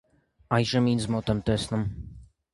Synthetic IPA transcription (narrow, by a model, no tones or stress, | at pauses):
ɑjʒəmind͡zmɔt̪ɛmt̪ɛsnum